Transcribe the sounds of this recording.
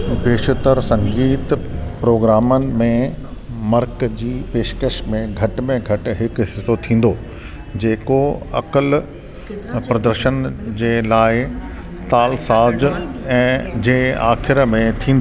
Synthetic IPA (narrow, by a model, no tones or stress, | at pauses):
beːʃət̪əɾsɐ̃ŋɡiːt̪pɾoːɡɾaːmənɪ̆mẽmɐɾkd͡ʑiːpeːʃkəʃmẽɡʱɐʈmẽɡʱɐʈɦɪkɦɪsot̪ʰĩːn̆d̪oː | d͡ʑeːkoɐ̰kəl | pɾɐd̪əɾʃənd͡ʑeːlaːɪ | t̪aːlsaːd͡ʑɛ̃ːd͡ʑeːa̰ːxɪɾəmẽt̪ʰĩːnd̪o